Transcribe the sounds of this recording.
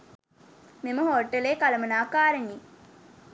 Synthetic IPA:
miməɦoːʈːɐleːkalɐmɐnaːkaːɾəɲi

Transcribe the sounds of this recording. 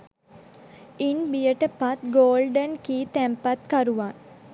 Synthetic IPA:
inbijəʈəpat̪ɡoːlɖənkiːt̪æmpat̪kaɾuʋan

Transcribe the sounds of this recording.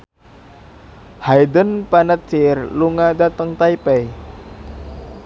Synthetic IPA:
hajdənpanət̪t͡ʃɪrluŋadat̪əŋt̪aipɛj

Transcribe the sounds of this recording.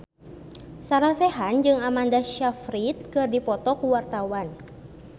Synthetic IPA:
saɾasɛɦand͡ʒɨŋamandaʃafɾit̪̚kɨrdipɔt̪ɔkuwart̪awan

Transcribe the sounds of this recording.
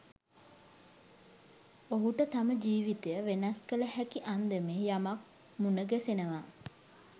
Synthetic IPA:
oɦuʈət̪aməd͡ʒiːʋit̪ejəʋenɐskələhækiʔand̪əmeːjamak̚ | munəɡæsenəʋaː

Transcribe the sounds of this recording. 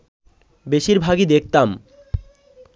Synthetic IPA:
beʃiɾbʱaɡid̪ek̚t̪am

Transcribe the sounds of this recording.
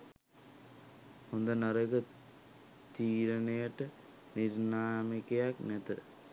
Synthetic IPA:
ond̪ɐnɐrɐɣɨ | t̪iːɾɐnɐjɐʈːɨ | niɾnaːmikːɐjaːk̚net̪ːɨ

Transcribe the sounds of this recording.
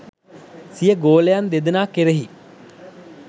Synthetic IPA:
sijəɡoːlejand̪ed̪ənaːkeɾeɦi

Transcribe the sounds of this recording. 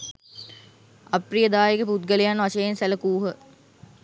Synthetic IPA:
aprijəd̪aːjekəput̪̚ɡəlejanʋaʃəjensæləkuːɦə

